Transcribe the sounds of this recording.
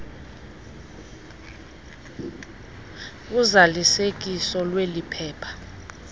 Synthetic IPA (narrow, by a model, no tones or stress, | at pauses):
uzalisek̬ʼisɔlwelipʰɛːpʰḁ